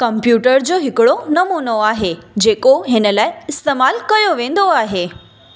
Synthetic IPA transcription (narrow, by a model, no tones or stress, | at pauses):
kəmpjuʈəɾd͡ʑoɦɪkɭonəmunoaɦed͡ʑekoɦẽnəlajɪst̪emalkəjoʋẽnd̪oaɦe